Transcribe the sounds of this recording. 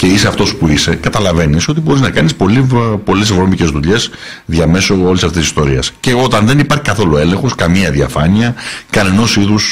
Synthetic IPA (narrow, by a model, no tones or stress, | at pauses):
ce̞iseɐft̪o̞spuise̞kɐt̪ɐlɐve̞niso̞t̪̬ibo̞ɾiznɐkɐnispo̞lipo̞le̞sevɾo̞mice̞zðuʎe̞s | ðʝɐme̞so̞olisɐft̪esist̪o̞ɾiɐsce̞o̞t̪ɐnðe̞nipɐɾçi̥kɐθo̞lue̞le̞ŋxo̞skɐmiɐðiɐfɐniɐkɐne̞no̞siðus